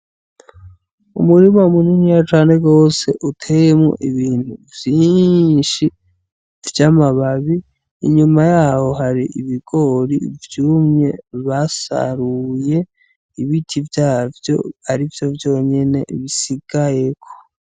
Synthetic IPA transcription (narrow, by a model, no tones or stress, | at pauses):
ṵmuɾimamuninijat͡ʃaːne̞ɡo̞ːse̞ʔutʰe̞jemŋo̰ʔiβiːn̥huvjiːnʃi | vjamaβaβḭː | ɲumajaːho̞ɦaɾiʔiβiɡ̥o̞ɾivjuːmɲe̞βasa̰ɾuje̞ | iβitʰivjaːvjo̞̰aɾivjo̞vjo̞ːɲe̞ne̞̰βisiɡ̥aje̞kʰo̥